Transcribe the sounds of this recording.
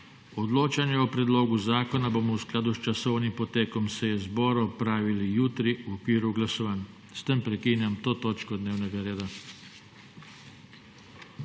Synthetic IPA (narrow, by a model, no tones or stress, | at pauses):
od̪loːt͡ʃanjɛopɾɛd̪loːɡuzaːkonabomɔusklaːd̪ust͡ʃasownimpot̪eːkɔmsejɛzboːɾopɾaːʋilijut̪ɾiuokʋiːɾuɡlasoʋan | st̪empɾɛkiːnjamt̪oːt̪oːt͡ʃkɔd̪neːwnɛɡaɾeːd̪a